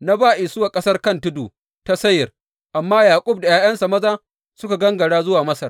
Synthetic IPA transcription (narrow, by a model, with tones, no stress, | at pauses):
na˦baː˦ʔɪ˨sʊ˦waː˨kʼɐ˦sɐ˦rkɐ˦ntʊ˦duː˨ | ta˦sɐ˦jɪ˨r | ʔa˨mːaː˦jaː˨kʷʼʊ˦b̚da˨jaː˦jɐ˦nsa˨mɐ˦zaː˦ | sʊ˦ka˨ɡɐ˦ŋɡɐ˨ɽaː˦zʊ˦waː˨mɐ˦sɐ˨r